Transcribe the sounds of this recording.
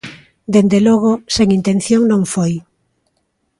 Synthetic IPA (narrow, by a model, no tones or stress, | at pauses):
d̪end̪elɔɣ̞ʊseŋint̪en̟θjoŋnõŋfoj